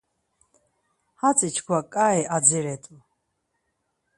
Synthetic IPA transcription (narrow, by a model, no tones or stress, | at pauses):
hat͡sʰʼit͡ʃʰkʰwakʼaɛʔad͡ziɾɛt̪ʼu